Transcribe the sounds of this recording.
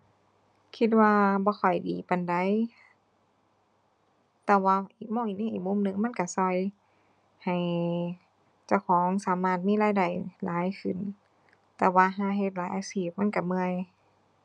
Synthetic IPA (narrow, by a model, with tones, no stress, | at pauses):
kʰi˧t̪̚waː˧bɔː˧˦xʰɔ˨˩jdiː˨˩pa˨nda˨˦j | t̪ɛː˧waː˧ʔiː˨˩k̚mɔː˧˩˨ʔiː˧˨ni˧˥˨ʔiː˨˩mu˧˥˨mnɯ˧˨ŋma˧˥˨nka˧˩sɔ˧˩j | ha˨˩j | t͡ɕa˧˩˨wkʰɔː˨˦ŋsaː˨˦maː˧˩t̪̚miː˧˥˨laː˧˨jda˨˩jlaː˨˦jkʰɯ˨˩n | t̪ɛː˧waː˧ɦaː˧˩ɦe˧t̪̚laː˨˦jʔaː˧siː˧˩p̚ma˧˥˨nka˧˩mɯ˧əj